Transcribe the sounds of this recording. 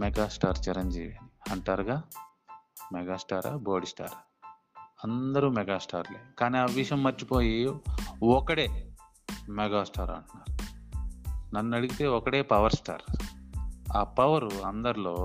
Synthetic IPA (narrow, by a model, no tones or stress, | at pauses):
mɛɡaːsʈaːɾt͡ʃiɾɐɲd͡ʒḭːʋijaːniɐɳʈaːɾɡaː | mɛɡaːsʈaːɾa̰ːboːɖisʈa̰ːɾ | ɐnd̪ɐɾumɛɡaːsʈaːɾleːukaːniːaːʋiʃɐmːɐɾt͡ʃːipo̞ːji | ɔkɐɽeː | mɛɡaːsʈaːɾɐ̰ɳʈunːaːɾu | nɐnːuɐɽiɡit̪e̞ːɔkɐɽe̞ːpɐʋɐɾsʈa̰ːɾ | aːpɐʋɐɾuɐnd̪ɐɾulo̞ː